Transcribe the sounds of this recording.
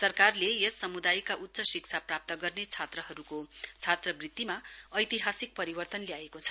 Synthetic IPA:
sʌrkarlejʌsːʌmud̪ajkaʔut̪ːsʌsik̚t͡sʰaprap̚t̪ʌɡʌrnet͡sʰat̪rʌɦʌɾukot͡sʰat̪rʌbrid̪imaʌjt̪iɦasik̚pʌɾibʌrt̪ʌnlijaekot͡sʰʌ̥

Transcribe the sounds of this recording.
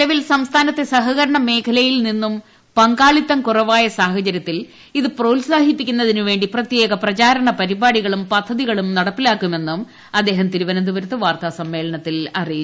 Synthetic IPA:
ɐʋilsɐmst̪ʰaːnɐt̪ːe̞sɐɦɐɣɐɾɐɳɐme̞ːkʰɐlɐjilninːum | pɐŋɡaːɭit̪ːɐmkurɐʋaːjɐsaːhɐt͡ɕɐɾjɐt̪ːil | iðɨproːlsaːɦipːikʲːunːɐðinuʋe̞ːɳɖiprɐt̪je̞ːɣɐprɐt͡ɕaːɾɐɳɐpɐɾibaːɽiɣɐɭumpɐd̪ʱːɐðiɣɐɭumnɐɽɐpːilaːkːume̞nːum | ɐd̪ːe̞ːɦɐmt̪iɾuʋɐnɐnd̪uʋɐɾɐt̪ːɨʋaːrt̪asɐmːe̞ːlɐɳɐt̪ːilɐriji

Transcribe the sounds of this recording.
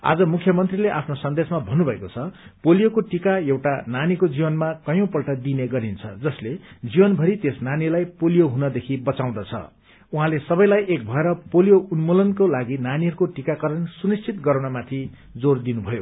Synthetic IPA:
a̰d͡zʌmukʰjʌmʌnt̪rileʔapʰnosʌnd̪esmabʱʌnːubʱʌekot͡sʰʌpolijokoʈikajewʈananikod͡zibʌnmakʌjõpʌlʈʌd̪ineɡʌɾint͡sʰʌ̰d͡zʌsled͡zibʌnbʱʌɾit̪esnanilajpolijoɦunʌd̪ekʰibʌt͡saw̃d̪ʌt͡sʰʌ̰ | uɦãlesʌbʌjlajʔek̚bʱʌeɾʌpolijounmolʌnkolaɡinaniɦʌɾukoʈikakʌɾʌnsunist͡sʰit̪ɡʌɾawnamat̪ʰi | d͡zord̪inubʱʌjo̰

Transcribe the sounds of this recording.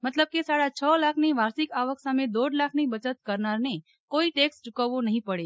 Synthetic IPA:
mət̪ləb̚kesaːɽat͡ʃʰɔːlaːkʰneʋaːɾsɪkaːʋəksamed̪oːɖlaːkʰnebət͡ʃət̪kəɾnaɾne | koːiʈeːksʈʊkəʋonəɦĩpəɽe

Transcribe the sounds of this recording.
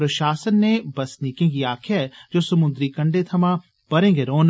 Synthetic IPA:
ɾɐʃaːsənːẽbɐsnikẽɡiaːkʰjaɛd͡ʒoːsɐmʊ̃nd̪ɾikɐ̃ɳɖet̪ʰɐmã | pɐɾẽːŋɡeɾoːn

